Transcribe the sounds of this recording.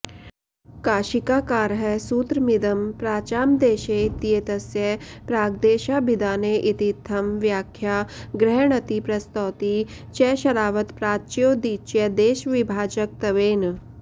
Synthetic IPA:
kaːʃikaːkaːɾɦɛsuːt̪ɾəmid̪ɐmpɾaːt͡ʃaːmd̪eːʃeit̪ijet̪ɐsjepɾaːɡd̪eːʃaːbid̪aːneʔit̪it̪ʰːɐmʋjaːkʰjaːɡɾɛɦɳ̃ɐt̪ipɾɐst̪ɔːt̪i | t͡ʃɛːʃɐɾaːʋət̪pɾaːt͡ʃjoːd̪iːt͡ʃjed̪eːʃʋibʱaːd͡ʒək̚t̪ɐʋeːn

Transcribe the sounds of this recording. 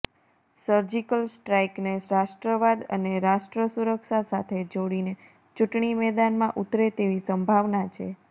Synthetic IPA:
səɾd͡ʒikəlsʈɾaikneɾaʃʈɾəʋad̪ə̰neɾaʃʈɾəsuɾəkʃasat̪ʰed͡ʒoɽine | t͡ʃuʈɳimɛd̪anmãʔut̪ɾet̪eʋisəmbʱaʋnat͡ʃʰḛ

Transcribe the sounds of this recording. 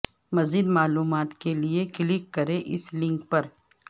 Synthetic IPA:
mɐziːd̪maːluːmaːt̪keliekɪlɪkːɐɾẽʔɪ̰slɪ̃ŋkpɐɾ

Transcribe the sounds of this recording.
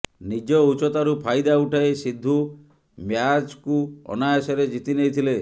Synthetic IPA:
nid͡ʒɔut͡ʃɔt̪aɾupʰajd̪auʈʰajsid̪ʱːu | mjad͡ʒkuɔ̰najɔsɔɾed͡ʒit̪inejt̪ʰile

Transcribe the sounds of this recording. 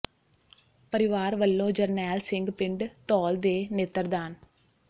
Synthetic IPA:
pəɾɪʋaːɾʋəlːõːd͡ʒəɾnɛːlsɪ̃ŋɡpɪ̃ɳɖt̪ɔːld̪eːnet̪əɾd̪aːn

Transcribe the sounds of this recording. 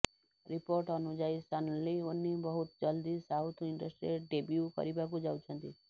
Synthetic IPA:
ɾipoɾʈɔnud͡ʒaist̪ʰanɔlionːibɔɦut̪d͡ʒɔld̪isawt̪ʰiɳɖəsʈɾieɖebjukɔ̰ɾibakud͡ʒawt͡ʃʰɔnt̪i

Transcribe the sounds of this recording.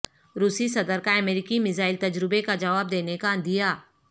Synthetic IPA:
ɾuːsisɐd̪əɾkaɐmeːɾɪkimɪzaːɪlt̪ɐd͡ʒɾɪbekad͡ʒɐʋaːb̚d̪eːnekaə̃nd̪ijaː

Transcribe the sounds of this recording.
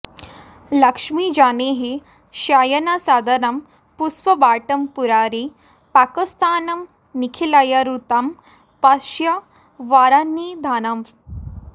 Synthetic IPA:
lɐkʂmid͡ʒaːneɦe | ʃaːjɐnasaːd̪ɐnam | puspɐbaːʈɐmpuɾaːɾi | paːkist̪aːnɐm | nikʰilajaɾut̪am | paʃjɐ | ʋaːɾanːid̪ʱaːnɐm

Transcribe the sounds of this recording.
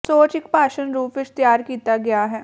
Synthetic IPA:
soːt͡ʃɪkpaːʃənɾuːpʋɪt͡ʃt̪jaːɾkiːt̪aɡɐjaɦɛː

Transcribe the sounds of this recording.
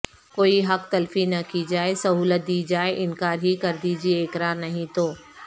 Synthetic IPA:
koːiɦɐkt̪ɐlfinɐkid͡ʑaːesɐɦuːlət̪̚d̪iːd͡ʑaːeʔɪ̃nkaːɾɦikɐɾd̪id͡ʑiːeːkɾaːɾnɐɦĩt̪ʰoː

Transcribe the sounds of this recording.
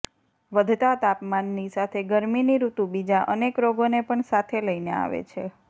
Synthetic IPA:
ʋəd̪ʱt̪at̪apmanːisat̪ʰeɡəɾminiɾut̪ũbid͡ʒaʔənekɾoɡonepəɳsat̪ʰeləinea̰ʋḛt͡ʃʰe

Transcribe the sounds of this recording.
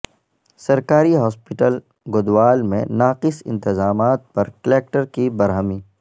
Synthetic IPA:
sɐɾkaːɾiɦɔːspɪʈəl | ɡʊd̪waːlmḛ̃naːqɪsɪ̰̃nt̪ɪzaːmaːt̪̚pɐɾkleːk̚ʈəɾkibɐɾɦəmiː

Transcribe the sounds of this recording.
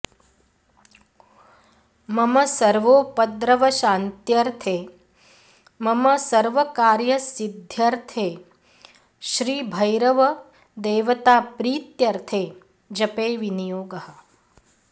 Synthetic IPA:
mɐmɐsɐɾʋoːpɐd̪ɾɐʋɐʃaːnt̪jɐɾt̪ʰeː | mɐmɐsɐɾʋɐkaːɾjɐsid̪ʱjɐɾt̪ʰeː | ʃɾiːbʱɐjɾɐʋɐ | d̪eːʋɐt̪aːpɾiːt̪jɐɾt̪ʰeː | d͡ʒɐpeːʋinijoːɡɐɦɐ̆

